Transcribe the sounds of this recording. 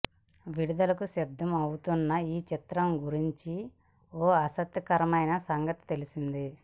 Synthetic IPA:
ʋiɽid̪ɐlɐkusid̪ʱːɐmɐwut̪unːɐiːt͡ʃit̪ɾɐmɡuɾiɲt͡ʃi | oːɐsɐt̪ːjɐkɐɾɐmɐjnɐsɐŋɡɐt̪i̥t̪elisind̪i

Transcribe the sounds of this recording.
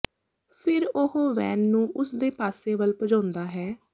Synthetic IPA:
pʰɪɾʊɦõːʋɛːnːũːʔʊsd̪eːpaːseːbəlpəd͡ʒãːnd̪aːɦɛː

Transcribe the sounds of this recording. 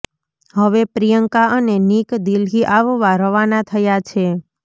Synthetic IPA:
ɦəʋepɾijəŋkaʔənenikd̪ilɦiʔaʋʋaɾəʋanat̪ʰəjat͡ʃʰe

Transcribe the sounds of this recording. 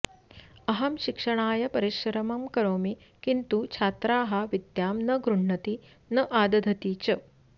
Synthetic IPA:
ɐɦɐmʃikʂɐɳaːjɐpɐɾiʃɐɾɐmɐmkɐɾoːmi | kint̪ut͡ʃʰaːt̪ɾaːɦɐʋid̪jaːmnɐɡɾuɳ̤ɳɐt̪i | nɐʔaːd̪ɐd̪ʱɐt̪iːt͡ʃɐ

